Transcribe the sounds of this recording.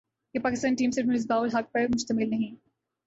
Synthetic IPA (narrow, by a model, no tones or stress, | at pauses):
jepaːkɪst̪aːnʈiːmseʈnɐlɪs̬db̪aːʋʊlɦak̚pɐɾmʊʃt̪əmɪlnɐɦĩː